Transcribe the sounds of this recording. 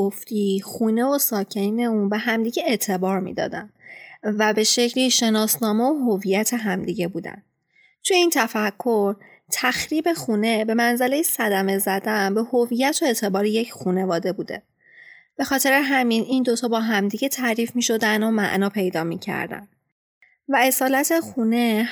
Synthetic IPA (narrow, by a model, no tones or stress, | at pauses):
oft̪ixuːne̞vosɒːcʰe̞niːne̞unbe̞ɦæmd̪iːɟe̞et̪ʰe̞bɒːɾmḭd̪ɒ̰ːd̪æ̰nvæbe̞ʃe̞cʰliʃe̞nɒːsnɒːmeoɦovijæt̪ʰe̞ɦæmd̪iɟebuːd̪æ̰n | t̪ʰuje̞iːnt̪ʰæfækʰːo̞ɾ | t̪ʰæxɾiːbe̞xuːne̞be̞mænzæle̞jesæd̪æme̞zæd̪ænbehoviːjæt̪ʰoe̞t̪ʰe̞bɒːɾeje̞cʰxune̞vɒːd̪e̞buːd̪e̞̰ | b̥e̞xɒːt̪ʰe̞ɾeɦæminʔind̪o̞t̪ʰɒːbɒːɦæmd̪iɟe̞t̪ʰæɾiːfmiʃo̞d̪ænomæ̰ʔnɒːpʰe̞jd̪ɒːmḭcʰæ̰ɾd̪æ̰n | væe̞sɒːlæt̪ʰe̞xune̞